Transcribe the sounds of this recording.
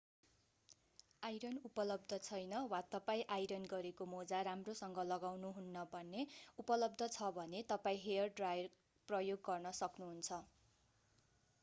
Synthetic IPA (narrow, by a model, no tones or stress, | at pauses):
ajɾʌnupʌlʌb̚d̪ʱʌt͡sʰʌjnʌwat̪ʌpaĩʔajɾʌnɡʌɾekomod͡zaɾamrosʌŋɡʌlʌɡawnuɦunːʌbʱʌnːeupʌlʌbd̪ʱʌt͡sʰʌbʱʌnet̪ʌpaĩɦejʌrɖrajʌr | prʌjoɡːʌrnʌsʌknuɦunt͡sʰʌ